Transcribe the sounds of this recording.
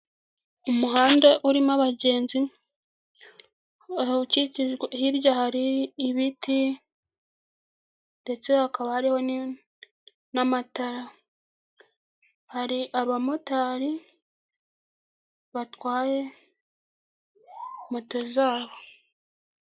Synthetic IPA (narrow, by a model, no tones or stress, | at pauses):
umuɦaːndeʔuɾimaβaɟe̞ːnzi | uciciʒɡahiɾjahaɾiːβitʰi | nde̞t͡se̞hakaβahaɾiho̞n | namataɾa | haɾiʔaɾuβamotaːɾi | βatwaːje̞ | motozaːβo̞